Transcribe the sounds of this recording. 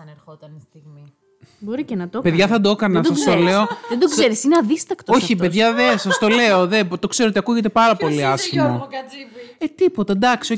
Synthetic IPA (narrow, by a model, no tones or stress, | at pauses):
ɐnɾxot̪ɐnst̪iɣmi | bo̞ɾicenɐt̪ope̞ðʝɐθɐd̪okɐnɐsɐsst̪ole̞o̞ðed̪okseɾisineɐðist̪ɐkt̪ooçipe̞ðʝɐðesɐst̪o̞le̞o̞ðet̪o̞kse̞ɾoot̪iɐkuʝe̞t̪̬e̞pɐɾɐpo̞liɐsçimoɐet̪ipo̞t̪ɐd̪ɐksio